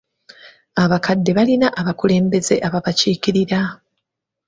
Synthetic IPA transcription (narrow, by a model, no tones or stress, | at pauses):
aβakadːe̞βalinaʔaβakule̞ːmbe̞ze̞̰ʔaβaβaciːkiɾiɾa